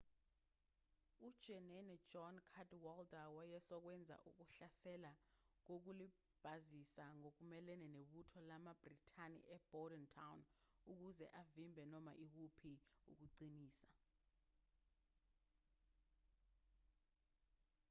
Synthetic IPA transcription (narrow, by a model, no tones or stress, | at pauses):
ud̥ʒ̥ʱɛnɛnɛ̥d͡ʒɔnkʰadwɔldawajɛsɔk̬wɛnd͡zʱa̰ʔṵk̬uɬasɛlak̬ok̬uli | b̥ʱazisaŋok̬umɛlɛnɛneɓutʰɔlamab̥ritʰanḭʔɛb̥ɔdɛntʰawnuk̬uzɛ̰ʔavimbʱɛnɔma̰ʔik̬upʰiṵk̬uǀiniːsḁ